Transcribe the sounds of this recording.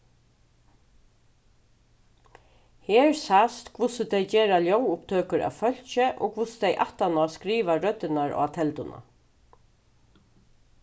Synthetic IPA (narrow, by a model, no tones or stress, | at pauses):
heːɹsast̪kʰvʊsəd̪ɛjd͡ʒɛːɾaljowʊpt̪ʰøːkəɾa̰ːfœl̥t͡ʃəʔɔ̰ːkʰvʊst̪ɛjʔa̰ht̪anɔaskɾiːʋaɹœt̪ɪnaɹʔɔ̰at̪ʰɛlt̪ʊna̰